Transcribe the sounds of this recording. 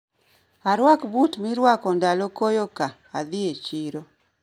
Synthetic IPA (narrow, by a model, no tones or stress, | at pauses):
aɾwakbutmiɾwakɔndalokojokaːd̪ɪet͡ʃiɾo